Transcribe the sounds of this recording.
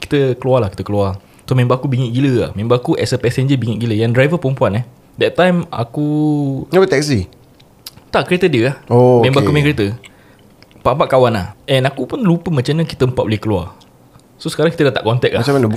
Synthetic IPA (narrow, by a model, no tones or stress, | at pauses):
ki̥t̪əkəlualakit̪əkəlua | somẽmbaakubiŋiʔɡiləa̰hmẽmbaːkuʔɛ̰səpɛsɛɲd͡ʒəbiŋiʔɡiləjãŋdɾajvəpɾəmpuanɛ | dɛt̪̚ːãjma̰kuobət̪ɛksi | t̪aʔkəɾet̪ədiəahomẽmbaakumẽkɾet̪ə | paʔpaʔkawanahɛnakupunlupəmat͡ʃamɲãki̥t̪əəmpatʔ̚bolɪhkəlua̰ | sosəkaɾaŋkit̪ədaht̪aʔkɔnt̪ɛk̚lamat͡ʃaman